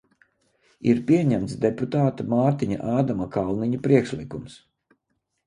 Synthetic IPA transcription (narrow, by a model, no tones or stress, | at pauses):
iɾpiɛɲæmt̪sd̪eput̪aːt̪amaːɾt̪iɲa̰ʔaːd̪amakalˠniɲupɾiɛkʃlˠikums